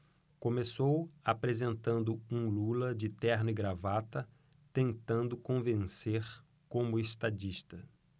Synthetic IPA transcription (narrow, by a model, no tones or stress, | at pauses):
kõmesowapɾezẽnt̪ɐ̃nd̪ʊũlulɐd͡ʒɪt̪ɛɾnʊiɡɾavat̪ɐ | t̪ẽnt̪ɐ̃nd̪ʊkõvẽseɾ | kõmʊest̪ad͡ʒiʃt̪ɐ